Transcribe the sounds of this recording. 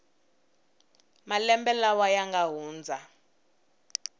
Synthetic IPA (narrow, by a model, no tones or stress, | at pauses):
malɛmbɛlawajaŋɡaɦuːnd͡zʱa